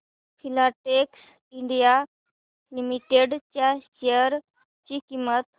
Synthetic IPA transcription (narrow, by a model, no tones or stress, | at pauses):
pʰilaʈeks | iɳɖija | limiʈeɖt͡ɕaʃeəɾ | t͡ɕikimət̪